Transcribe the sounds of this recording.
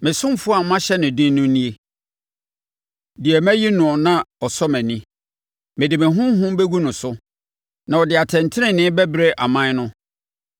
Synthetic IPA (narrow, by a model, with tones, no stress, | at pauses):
mɪ̃˨sʊ̃˦m˦fʊ˦a˨mã˦ɕɛ˦nɪ̃˨dĩ˦n˦nʊ̃˦nĩ˦e˦ | dɪ˨ɛ˨mæ̃˦ji˦nʊ̃˨ɔ˨nã˦ɔ˨sɔ˦mɛ̃˨nĩ˦ | mɪ̃˨dɪ˨mɪ̃˨ɦʊ̃˦m˦ɦʊ̃˦m˦be˦ɡu˦nʊ̃˨sʊ˦ | nã˨ɔ˨dɪ˨a˨tʰɛ̃˨n˨tʰɪ˦ɪ̃˨nɪ̃˦bæ˦bɾe˦ʔa˨mã˦nʊ̃˦